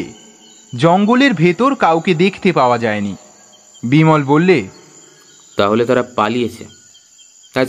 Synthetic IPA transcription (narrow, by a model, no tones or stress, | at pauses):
d͡ʑɔŋɡoleɾbʱet̪oɾkawked̪ekʰt̪epaoad͡ʑaeni | bimɔlbolːe | t̪aɦolet̪aɾapalijet͡ɕʰḛ | a